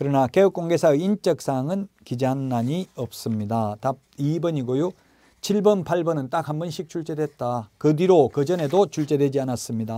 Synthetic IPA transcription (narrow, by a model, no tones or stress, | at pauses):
kɯɾʌnake̞ɯk͈oŋɡe̞sʰaɯint͡ɕ͈ʌk̚s͈aŋɯnkid͡ʑeɦanːaɲiʌp̚s͈ɯmɲidatap̚ibʌɲiɡojo | t͡ɕʰiɭbɯnpʰaɭbʌnɯnt͈ak̚hambʌnɕʰik̚t͡ɕʰuɭt͡ɕ͈e̞dwe̞t̚t͈akɯdiɾokɯd͡ʑʌne̞dot͡ɕʰuɭt͡ɕ͈e̞dwe̞d͡ʑianas͈ɯmɲida